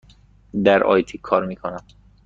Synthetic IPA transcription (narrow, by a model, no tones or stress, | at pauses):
d̪æɾʔɒ̰ːjt̪ʰiːkʰɒːɾmiːkʰonæm